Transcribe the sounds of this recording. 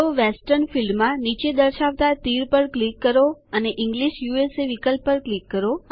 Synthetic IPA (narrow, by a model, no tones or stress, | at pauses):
oʋesʈəɾnfilɖmãnit͡ʃed̪əɾʃaʋt̪at̪iɾpəɽklikːəɾoəneʔɪ̃ŋɡliʃjueseʋikəlpːəɾklikːəɾo